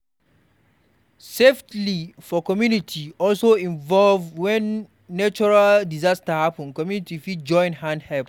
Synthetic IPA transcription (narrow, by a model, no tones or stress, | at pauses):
seftlifɔkɔmjunitʰiɔlsoĩɱvɔlvwɛ̃nː | at͡ʃɔɹaldizastəhapə̃nkɔmjunitifidd͡ʒɔ̃ɪ̃nhãndhɛlp